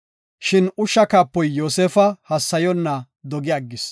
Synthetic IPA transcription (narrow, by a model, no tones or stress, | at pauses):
ʃɪnʊʃːɐkaːpːɔjːoːseːfɐhɐsːɐjɔnːɐ | d̪ɔɡɪɐɡːɪs